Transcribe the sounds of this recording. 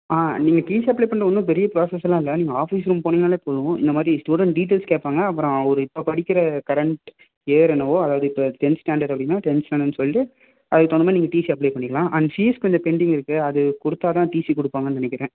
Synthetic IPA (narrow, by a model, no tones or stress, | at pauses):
aːniːŋɡɐʈiːsiɐp̬ɭeːpɐɳɖɾɐʋɐnd̪ɯ̃pɛɾɪjɐpɾoːsɛsːlãːɪlːɐniːŋɡɐaːfiːsɾumpoːnɪːŋɐnaːlepoːðʊ̃ɪ̰nd̪ɐmaːd̪ɾisʈuːɽɛɳʈ̚ɖiːʈ̬eːlskeːʈpːaːŋɡɐɐpːɯɾõɔɾɯɪpːopɐɽɪkʲːɪɾɐkɐɾɐɳʈ | eːɾɛnːɐʋoːɐðaːʋɐðɯɪpːoːʈɛnsːʈaːɳɖɐɾɖɐpːɐɽɪjnːaːʈɛnsʈaːnɐnːɯsɔlːɪʈɯ | ɐðɯkːɯt̪oɔndɐmaːniːŋɡɐʈiːsiɐp̬leːpɐɳːɪkːɐɭãːʔɐnɐsiːɛskɔɲd͡ʒɐpɛɳɖɪŋɡɪɾɯkːɯɐðɯkʊɽɯt̪ːaːt̪ãːʈiːsikɔɽɯpːaːŋɡɐnnɐnɛk̬ʲːɪɾẽː